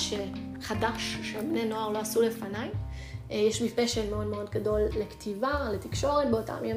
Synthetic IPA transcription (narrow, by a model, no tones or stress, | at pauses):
ʃeχadaʃːebneno̞aʁlo̞asule̞fanaj | jɛʃmifeʃenmeo̞dmeo̞dɡado̞lːektʰivale̞t̪ikʃo̞ʁet̚beota̰mien